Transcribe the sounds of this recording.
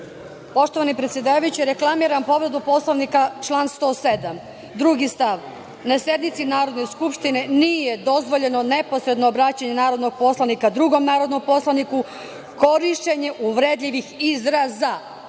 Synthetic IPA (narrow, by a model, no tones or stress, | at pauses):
po̞ʃt̪o̞ʋanipɾe̞t̪sʲje̞d̪aːʋajut͡ɕeɾeklˠamiɾampo̞ʋɾe̞d̪upo̞slˠaʋnikat͡ʃlˠaːnst̪o̞ːse̞d̪am | d̪ɾuɡist̪aʋ | nasje̞d̪nit̪sinaːɾo̞d̪ne̞skupʃt̪ine̞niːje̞d̪o̞zʋo̞ʎe̞no̞ne̞po̞sɾe̞d̪noːbɾat͡ɕaɲe̞naːɾo̞d̪no̞ɡ̚po̞slˠanikad̪ɾuɡo̞mnaːɾo̞d̪no̞mpo̞slˠaniku | ko̞ɾiʃteɲeʔuʋɾed̪ʎʲiʋixizɾaza